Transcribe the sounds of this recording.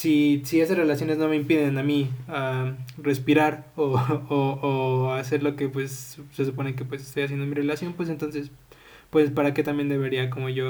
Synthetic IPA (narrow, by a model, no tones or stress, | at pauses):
sisie̞sasre̞lasjo̞ne̞zno̞me̞impið̞e̞namiare̞spiɾaɾooːase̞ɾlo̞ke̞pwe̞sse̞supo̞ne̞kepwe̞sest̪o̞jas̬jend̪omire̞lasjo̞npwe̞s̬e̞nt̪onse̞s | pwe̞spaɾake̞t̪ambje̞nd̪eβe̞ɾiako̞mo̞ʝo̞